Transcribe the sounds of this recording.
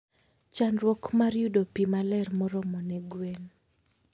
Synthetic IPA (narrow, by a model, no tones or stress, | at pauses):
t͡ʃanɾwɔkmaɾjudopimalɛrmɔɾɔmɔnɛɡwen